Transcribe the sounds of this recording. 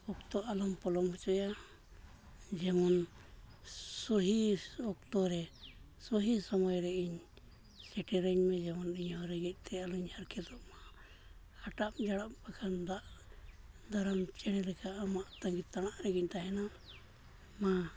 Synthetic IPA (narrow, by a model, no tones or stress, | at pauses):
ɔkt̪ɔʔalɔmpɔlɔmhɔt͡ʃɔja | d͡ʒɛmɔn | suɦiɔkt̪ɔɾɛ | sɔɦisɔmɔjɾɛiɲ | sɛʈɛɾɛɲmɛ̃d͡ʒɛmɔniɲɦɔɾɛɡɛc̚t̪ɛaluɲhaɾkʰɛd̪ɔʔmaː | ʈamd͡ʒaɽapbakʰand̪aʔ | d̪aɾamt͡ʃɛɽ̃ɛlɛkaʔːmaʔt̪aŋɡit̪aɽ̃aʔɾɛɡɛc̚t̪aɦɛna | ma